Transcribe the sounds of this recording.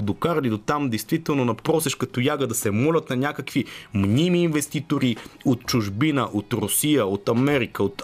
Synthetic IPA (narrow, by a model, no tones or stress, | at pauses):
d̪okaɾlid̪ot̪amd̪ɛjst̪vit̪ɛlˠnonɐpɾɔsɛʃkɐt̪ojaɡəd̪ɐsɛmɔlʲɐt̪nɐnʲakəkvimnimiːnvɛst̪it̪oɾiot̪̚t͡ʃʊʒbinəʔot̪ɾʊsijəot̪ɐmɛɾikəot̪